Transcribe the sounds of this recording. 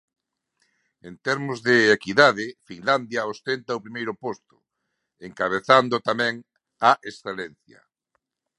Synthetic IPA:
ent̪eɾmʊzðeːkiðaðɪfiŋland̪jɐost̪ent̪aopɾimejɾʊpost̪ʊ̥ | eŋkaβ̞eθand̪ʊt̪amɛ̃ŋ | aʔesθelen̟θjɐ̰

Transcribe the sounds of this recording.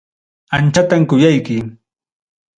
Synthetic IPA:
ant͡ʃat̪amkʊjajkɪ

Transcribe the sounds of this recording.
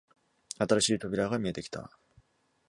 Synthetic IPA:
at̪aɾaɕiːt̪o̞bʲiɾaɡamʲie̞t̪e̞kʲi̥t̪ʰa̰

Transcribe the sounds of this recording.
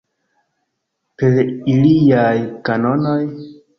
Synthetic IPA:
peɾilijajkano̞no̞j

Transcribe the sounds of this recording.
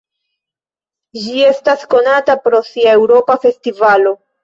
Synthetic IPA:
d͡ʒie̞stasko̞natapɾo̞siae̞wɾo̞pafe̞stivalo̞

